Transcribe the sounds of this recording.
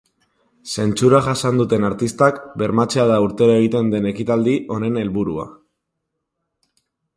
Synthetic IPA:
se̞nt͡ʃuɾaʝasand̪ut̪e̞naɾt̪ist̪akbe̞ɾmat͡seaðauɾt̪e̞ɾoe̞ɣ̞it̪e̞nd̪e̞ne̞kit̪ald̪iʔo̞ne̞ne̞lβuɾua̰

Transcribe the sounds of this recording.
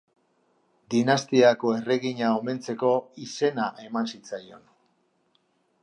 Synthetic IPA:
d̪inast̪iako̞e̞re̞ɣiɲaome̞nt͡se̞ko̞ise̞naʔe̞mansit͡sajo̞n

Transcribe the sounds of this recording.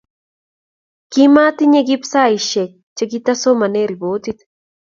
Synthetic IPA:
kimat̪iɲeɡipsaiʃe | t͡ʃeɡit̪asomaneɾibot̪it̪

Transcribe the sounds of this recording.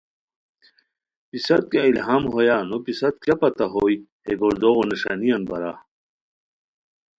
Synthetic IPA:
pisɐt̪̚kɐilɦaːmɦojaːnopisɐt̪̚kjɐpɐt̪ɐɦoːiheɡoɾd̪oːoniʂaːnijɐnbɐɾaː

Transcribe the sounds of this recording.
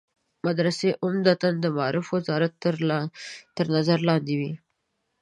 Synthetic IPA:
mad̪ɾaseʔʊmd̪at̪and̪əmɑɑɾɪfwazɑɾat̪ | t̪ːəɾnazaɾlɑnd̪ewi

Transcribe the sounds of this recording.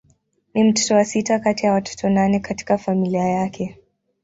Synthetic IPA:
nim̩tɔ̥tɔwasitakatijawatʰɔ̥tʰɔnanɛkati̥kafamiliajakʰɛ

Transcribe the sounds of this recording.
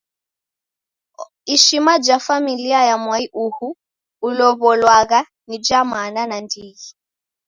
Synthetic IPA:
iʃimad͡ʒafamiliajamwaiʔuhu | ulɔβɔlwaɣa | nid͡ʒamananandiɣi

